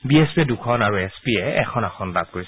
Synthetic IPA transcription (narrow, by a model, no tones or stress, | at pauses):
biespiɛdukʰɔnaɹuɛspiɛɛ̰kʰɔnaxʰɔnlab̚koɹisɛ